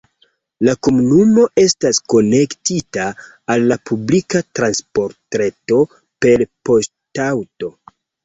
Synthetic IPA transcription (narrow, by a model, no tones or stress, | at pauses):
lakomunumo̞ʔe̞stasko̞ne̞ktitaː | lːapublikatɾanspo̞ɾtɾeto̞ | pe̞lpo̞s | tawto̞